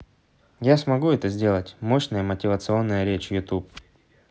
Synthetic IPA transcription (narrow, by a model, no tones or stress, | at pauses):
jasmɐɡuɛt̪əzʲdʲe̞lˠətʲmo̞ɕnəjəmətʲɪvət̪sɨo̞nːəjəɾʲet͡ɕjʊt̪up̚